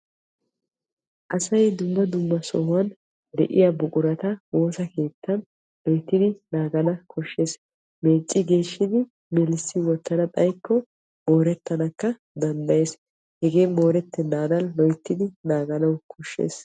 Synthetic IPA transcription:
ʔɐsɐjd̪ʊmːɐd̪ʊmːɐsɔhʊwɐn | d̪ɛ̰ʔɪ̰jabʊkʼʊɾɐt̪ɐwo̞ːsɐke̞ːt̪ʰːɐn | lɔjt̪ːɪd̪ɪnaːɡɐnɐkʰɔʃːe̞ːs | me̞ːt͡sʼːɪɡe̞ːʃːɪd̪ɪ | mɛlɪsːɪwɔt̪ːɐnɐt̪ʼɐjkːɔ | mo̞ːɾɛt̪ːɐnɐkːɐ | d̪ɐnd̪ɐje̞s | hɛɡe̞ːmo̞ːɾɛt̪ːɛnaːd̪ɐnlɔjt̪ːɪd̪ɪnaːɡɐnɐwkʰɔʃːḛːs

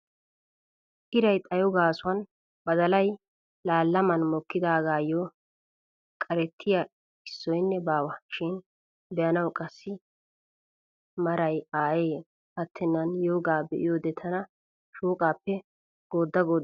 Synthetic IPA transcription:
ʔɪɾɐjt̪ʼɐjɔɡaːsʊwɐn | bɐd̪ɐlɐj | laːlːɐmɐnmɔkːɪd̪aːɡaːjo | kʼɐɾɛt̪ʰːɪja | ɪsːɔjnːɛbaːwɐʃɪn | bɛjɐnɐwkʼɐsːɪ | mɐɾɐjaːjeː | hɐt̪ʰːɛnːɐnjoːɡaːbɛ̰ʔɪ̰joːd̪ɛt̪ʰɐnɐ | ʃuːkʼaːpːɛ | ɡ̥oːd̪ːɐɡoː

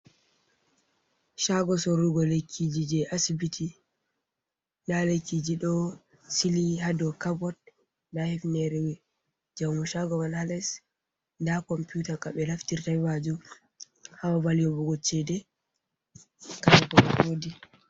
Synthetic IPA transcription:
ʃaɡɔsɔɾuɡɔlekʰːid͡ʒid͡ʒɛʔasibitʰi | ndalekːid͡ʒiɗɔ | siliɦadɔkabɔt̚ | nahɛfnɛɾɛwɛ | d͡ʒamuʃaɡɔmanhalɛs | ndakɔmputakaɓɛlaftiɾtajbad͡ʒu | hawavalijɔbuɡɔt͡ʃːɛdɛ | kaɾakɔkawodi

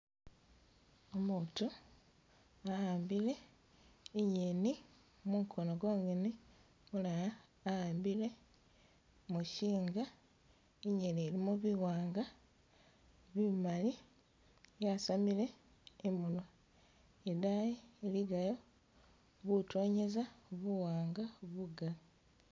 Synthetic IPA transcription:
omutu | ahaːmbile̞ | iɲeni | mumkʰonoɡoːŋɡeni | mulajaː | haːmbile̞ | muʃiːŋɡa | iɲenielimuβiwaːŋɡa | βimali | jasamile̞ | imulwa | edajiːliɡajo̞ | βutoːɲe̞zaβuwaːŋɡaβuɡa

